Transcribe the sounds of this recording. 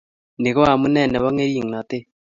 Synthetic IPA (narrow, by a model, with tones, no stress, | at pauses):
ne˨ɣo˦a˨mu˦nɛ˦˨nɛ˨βa˦ŋe˦ɾiː˦˨ŋ˨na˨te˦